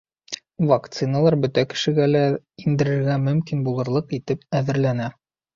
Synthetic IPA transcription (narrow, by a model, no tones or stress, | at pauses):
vakt̪sɨnəlˠɑɾbɵ̆t̪ækɘ̥̆ʃɘ̆ɡælæ | ind̪ɘ̆ɾɘ̆ɾɡæmɵ̆mkinbulˠɤ̆ɾlˠɤqit̪ɘpæðɘ̆ɾlænæ